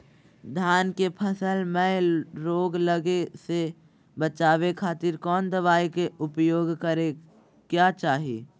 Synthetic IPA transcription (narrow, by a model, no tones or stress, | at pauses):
d̪ʱjaːnkepʰəsəlmɛ̃ɾoːɡləɡese | bət͡ʃaːʋekʰaːt̪ɪɾkɔːnd̪əʋaːikeʊpjoːɡkəɾe | kjaːt͡ʃaːɦḭː